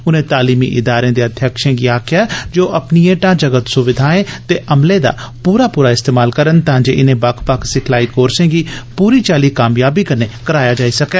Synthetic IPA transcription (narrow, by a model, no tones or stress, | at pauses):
ʊnẽːt̪aːliːmḭːʔɪd̪aːɾẽːd̪eːəd̪ʱjakʃẽːɡiːaːkʰɪjaːd͡ʒoːʔəpnijẽːʈãːd͡ʒəɡət̪sʊʋɪd̪ʱaːẽːt̪eːʔəmleːd̪a̰ː | puːɾaːpuːɾaːɪst̪eːmaːlkəɾənt̪ãːd͡ʒḛːʔɪnẽːbakʰpəkʰsɪkʰlaːiːkoːɾsẽːɡiːpuːɾiːt͡ʃaːliːkaːmjaːbiːkəneːkəɾaːjaːd͡ʒaːiːsəkɛː